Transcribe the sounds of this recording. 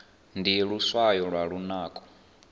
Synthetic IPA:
ndijɛɺuswajɔɺwaɺunaːkʼɔ̥

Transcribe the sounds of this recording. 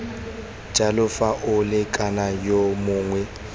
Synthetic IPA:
d͡ʒ̥ʱʼalʊfaʔʊlɪkʼanajomʊːŋwɛ

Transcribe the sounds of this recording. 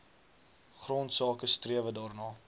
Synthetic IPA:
χrɔntsɑːkəstriəvədɑːrnɑː

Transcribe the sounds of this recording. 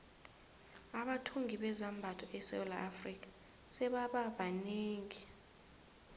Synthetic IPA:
aɓatʰuŋɡʱiɓɛzambʱatʰɔʔɛsɛ̰wla̰ʔafrik̬ʼḁ | sɛɓaɓaɓaneːŋi

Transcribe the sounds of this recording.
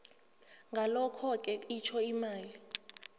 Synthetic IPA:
ŋɡʱalɔkʰɔk̬ʼɛit͡ʃʰɔimaːli

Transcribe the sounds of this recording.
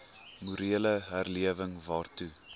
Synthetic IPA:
muɾiələɦærliəvəŋvɑːrtu

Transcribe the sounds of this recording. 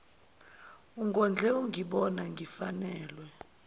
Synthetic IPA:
uŋɡʱɔnd͡ɮʱɛuŋɡʱiɓɔnaŋɡʱifanɛːlwɛ

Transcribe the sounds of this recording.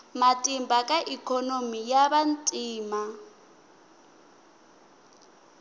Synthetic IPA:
matʼimbakʼaʔikʰɔnomijaβantʼiːma

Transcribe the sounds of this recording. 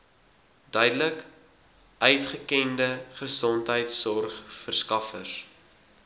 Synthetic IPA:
dœɥdələk | ʔœɥtχəkɛndəχəsɔntɦəjtsɔrχfərskɐfəs

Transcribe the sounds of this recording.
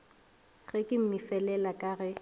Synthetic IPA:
ɣɛkʼɪm̩mɪfɛlɛlakʼaɣɛ

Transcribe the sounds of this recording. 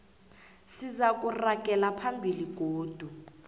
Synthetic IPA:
sizak̬ʼurak̬ʼɛlapʰambʱiliɡ̥ʱoːd̥ʱu

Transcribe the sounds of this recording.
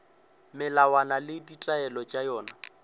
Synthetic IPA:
mɪlawanalɪditʼaɛlɔt͡ʃʼajɔːna

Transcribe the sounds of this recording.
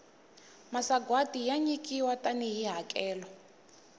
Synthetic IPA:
masaɡwatijaɲikʼiwataniɦiɦakʼɛːlɔ

